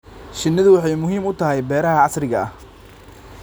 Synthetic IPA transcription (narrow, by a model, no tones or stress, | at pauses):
ʃɪnːɐðʊwɑħɑjmʊɦiːmʊt̪ʰɐɦɛjbɛːɾɐɦɐʕɑsrɪɣɐʔɐ̰h